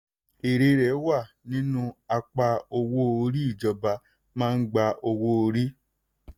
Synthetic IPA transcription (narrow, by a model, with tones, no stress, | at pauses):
e˨ɾe˧ɾɛ˨˦wa˦˨ | nĩ˦nũ˦a˧k͡pa˧o˧wo˦o˧ɾi˦i˦˨d͡ʒɔ˨˧ba˧ | mãː˦˧n̩˦ɡ͡ba˧ʔo˧wo˦o˧ɾi˦